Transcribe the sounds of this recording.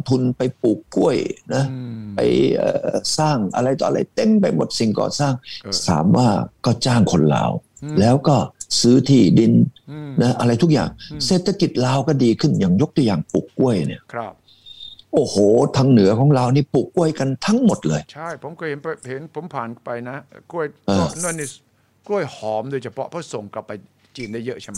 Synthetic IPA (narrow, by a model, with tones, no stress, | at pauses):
t̪ʰu˧npa˧jpuː˨˩kːu˥˩əjna˦˥pa̰˧jʔə̰ː˨˧˩saː˥˩ŋʔa̰˧ɾa˧jt̪ɔ̰ː˨ʔa̰˧ɾa˧jt̪e˧˩mpa˧jmo˨˩t̪̚si˨˩ŋkɔ̰ː˨˩saː˥˩ŋsa̰ː˩˦mwaː˥˩kɔː˥˩t͡ɕaː˥˩ŋkʰo˧nla̰ː˧wlɛː˦˥wkɔː˥˩sɯː˦˥t̪ʰiː˧˩di˧nna˦˥ʔa˧ɾa˧jt̪ʰu˦˥k̚ja̰ː˨˩ŋseː˨˩t̪ʰːa˧ki˨˩t̪̚laː˧wkɔː˥˩diː˧kʰɯ˥˩njaː˨˩ŋjo˦˥k̚t̪u˧˩˨jaː˨˩ŋpṵ˨˩kːu˥˩əjni˥˩ɐʔʰɾp̚ | ʔoː˧˩hoː˨˩t̪ʰaː˧ŋnɯ˨˩˦ɐkʰɔː˨˩˦ŋɾaː˧wniː˥˩pu˨˩kːu˥˩əjka˧nt̪ʰa˦˥ŋmo˨˩t̪̚lɤː˧jt͡ɕʰa˥˩jpʰo˩˦mkɔ˥˩he˨˦npa˧he˩˦npʰo˩˦mpʰaː˨˩npa˧jna˦˥ku˥˩əjʔɤː˧˩˧nu˥˩˨ni˥˩ | ku˥˩əjhɔː˨˦mdoː˧jt͡ɕʰa˧pʰɔ̰˦˥pʰɔ˦˥˩so˨˩ŋkla˨˩pːa˧j | t͡ɕiː˧˩nla˦˥˩jə˦˥ʔt͡ɕʰa˦˧˦